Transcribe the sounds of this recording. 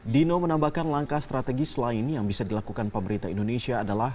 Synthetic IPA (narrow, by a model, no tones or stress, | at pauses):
dinomənambahkanlaŋkast̪ɾat̪ɛɡisəlaɪnjaŋbisadilakukanpəməɾit̪aḭndonesiaːdalah